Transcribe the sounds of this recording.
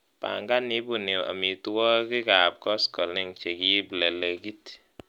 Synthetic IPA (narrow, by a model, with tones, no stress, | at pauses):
pa̰˨ŋɡa˦ni˦bu˨ni˨a̰˨mi˨tu˦wɔ˦ki˦ka˨p̚kɔ˦skɔ˨lni˦ŋt͡ʃe˨ki˦blɛ˨lɛ˨ki˦t